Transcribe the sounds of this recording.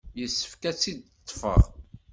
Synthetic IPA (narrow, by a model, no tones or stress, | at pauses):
jəsːə̥fkæt͡sːid̪̚ | t̪ˤːfə̰ʁ